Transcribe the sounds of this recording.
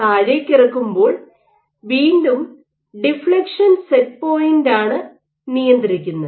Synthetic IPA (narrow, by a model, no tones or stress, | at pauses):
aːɻekʲːirɐkːumbo̞ːɭ | ʋiːndum | ɖifɭɐkʂɐnset̚po̞ːjindaːɳɨ | nijɐnd̪iɾikʲːunːɐðɨ